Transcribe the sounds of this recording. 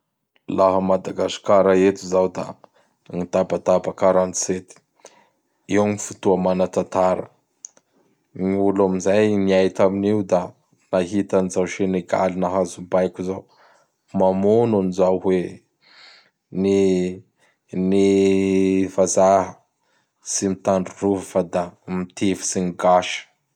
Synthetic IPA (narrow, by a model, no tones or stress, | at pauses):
laɦəmad̪aɡasi̥kaɾaet̪izawd̪a̰ | ŋit̪abat̪abakaɾanset̪i̥ | iwamifut̪uamanat̪at̪aɾə | niulamizajniajt̪aminiud̪a | naɦit̪anizawʃeneɡa̰linaɦazubajkʲuzaw | mamononizawɦwe | ni | ni | vazaɦə | simit̪aɳɖ͡ʐuruvəfad̪amit̪ʰevi̥siniɡaʃə̥